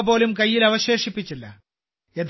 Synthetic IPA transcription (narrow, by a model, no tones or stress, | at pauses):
po̞ːlumkɐjːilɐʋɐɕe̞ːʂipːit͡ɕːilːɐ̰ | eð